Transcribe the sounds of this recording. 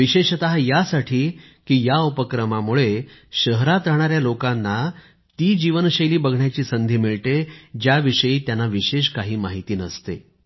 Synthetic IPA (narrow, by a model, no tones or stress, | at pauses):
ʋiɕeɕət̪aɦajasaʈʰiː | kiːjaupəkɾəmamuɭeɕəɦɾat̪ɾəɳ̃aɾjalokanːa | t̪iːd͡ʑiʋənɕəjliːbəɡʱɳjat͡ɕiːsənd̪ʱiːmiɭt̪ed͡ʑjaʋiʂəjiːt̪janːaʋiɕeɕkaɦiːmaɦit̪iːnəst̪ḛ